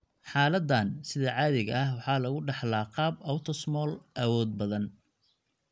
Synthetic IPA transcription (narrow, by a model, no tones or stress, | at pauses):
ħɑːlɐd̪aːnsɪðɐʕɑːðɪɣɐɐhwɑħɑːlɐɣʊɖɑħlaːqɑːbɐwt̪ʰɔsmɔːlʔɐwɔːd̪̚bɐðɐn